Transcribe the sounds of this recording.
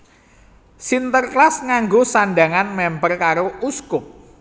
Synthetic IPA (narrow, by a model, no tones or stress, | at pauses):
sint̪ərklasŋaŋɡosanɖaŋanmɛmpərkaɾouskʊp̚